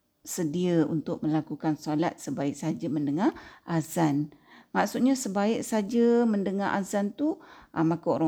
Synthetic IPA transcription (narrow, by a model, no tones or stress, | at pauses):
sədiəṵnt̪ʊk̚mə̃lakukansolat̪̚səbaɪk̚sad͡ʒəmə̃ndəŋaʔazanmaʔsut̪̚ɲasəbaɪk̚sad͡ʒəməndəŋa̰ʔa̰zant̪uʔəmakao̰ɾa